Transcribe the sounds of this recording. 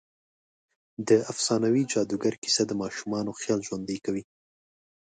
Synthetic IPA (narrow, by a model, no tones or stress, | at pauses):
d̪əafsɑnawid͡ʒɑd̪uɡaɾki̥sad̪əmɑʃumɑnoxjɑlʒwand̪əjkawi